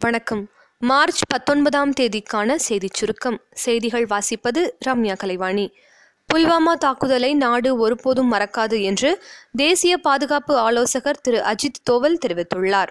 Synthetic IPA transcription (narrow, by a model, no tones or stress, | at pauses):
ʋɐɳɐkːɐmː | aːɾt͡ʃpɐt̪ːɔnbɐðaːmt̪eːðɪkːaːnɐsɛjðɪt͡ʃːʊɾɯkːɐmsɛjðɪɣɐɭʋaːsɪpːɐðɯɾaːmjaːkɐlɐɪʋaːɳi | pʊlʋaːmaːt̪aːkːɯðɐlɐɪnaːɽɯɔɾɯpoːðɯmːɐɾɐkːaːðɯɛndrɯd̪eːsɪjɐpaːðɯɣaːpɯaːloːsɐɣɐɾt̪ɪɾɯʔɐd͡ʒɪt̪ːoːʋɐlt̪ɛɾɪʋɪt̪ːɯɭːaːɾ